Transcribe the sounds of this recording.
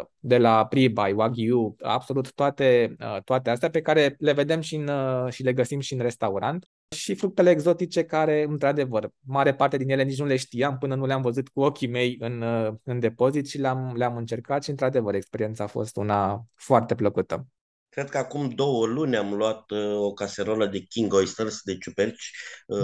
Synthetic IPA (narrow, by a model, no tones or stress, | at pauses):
d̪e̞lapɾibajwaɡʲiua̰bso̞lut̪ːoat̪e̞ət̪oat̪east̪eape̞kaɾe̞le̞ve̞d̪e̞mʃinʃile̞ɡəsimʃiɨnre̞st̪auɾant̪ | ʃifɾuk̚t̪e̞le̞ːɡzo̞t̪it͡ʃe̞kaɾe̞ɨnt̪ɾad̪e̞vərmaɾe̞part̪e̞d̪injelenit͡ʃnule̞ʃt̪iampɨnənuleamvəzut̪kuo̞kʲime̞jɨnɨnd̪e̞po̞zit̪ʃileamleamɨnt͡ʃe̞rkat̪ʃiɨnt̪ɾad̪e̞vəɾekspe̞ɾiensaːfo̞̰st̪ṵnafoart̪e̞pləkut̪ə̰ | kɾe̞d̪̚kəakumd̪o̞wəlunʲamluat̪okaseɾoləd̪e̞kʲiŋɡojst̪ərsd̪et͡ʃupert͡ʃʲ